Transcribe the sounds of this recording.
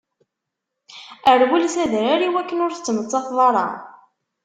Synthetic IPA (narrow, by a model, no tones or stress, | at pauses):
əɾwulsæðɾaɾiwækːənʊɾθt͡sːmət͡sˤːɑfðˤɑɾˤɑ̰